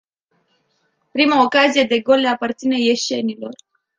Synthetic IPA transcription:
pɾimaokazije̞d̪e̞ɡo̞leapart̪sine̞je̞ʃe̞nilo̞r

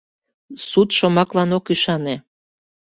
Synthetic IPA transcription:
sut̪ʃomɑklɑnokyʃɑne

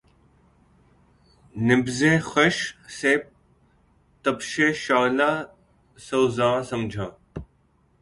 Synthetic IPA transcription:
nɪbzẽːxəʃseːp̚ | t̪əpʃeːʃaːlaː | soːzãːsəmd͡ʒʱaː

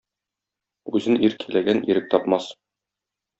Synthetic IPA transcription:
ʉzɘniɾkʰilæɡæniɾɘk̚t̪ɒpmɑs

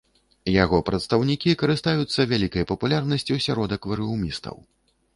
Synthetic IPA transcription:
jaɣɔpɾɐt̪st̪ɐwnʲikʲikɐɾɨst̪ajut̪sːɐvʲalʲikɐjpɐpulʲarnɐsʲt͡sʲiwsʲaɾɔd̪ɐkvɐɾɨwmʲist̪ɐ̰w

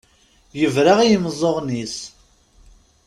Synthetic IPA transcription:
jəvɾaʁijəmzˤːoʁnis

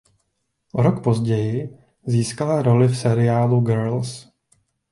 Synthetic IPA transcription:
ʔoɾo̞kpo̞zɟɛjɪ | ziːskalaɾo̞lɪfsɛɾɪjaːluɡɛɾls

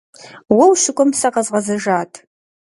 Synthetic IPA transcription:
wɐwʃɪkʷʼɔmsɐqɐzʁɐzɐʒaːtʰ

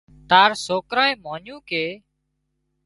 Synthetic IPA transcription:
t̪aːɾsoːkɾãːẽːmoːnjũːkeː

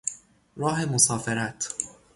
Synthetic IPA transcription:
ɾɒːɦemosɒːfeɾæt̪ʰ

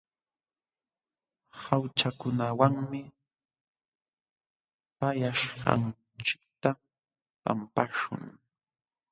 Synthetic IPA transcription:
hawt͡ʃakʊnawaŋmɪ | pajaʃɢɑ̰n | t͡ʃɪ̥k̚t̪a | pa̰mpaʃʊ̰ŋ

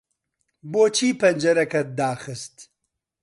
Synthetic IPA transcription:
boːt͡ʃʰiːpɐnd͡ʒɐɾɐkɐt̪̚d̪aːxɨst̪

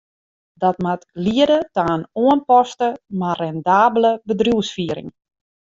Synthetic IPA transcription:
dɔtmatliədətaːnoənpɔstəmarɛndaːbləbədrjuwsfiəɾɪ̰ŋ

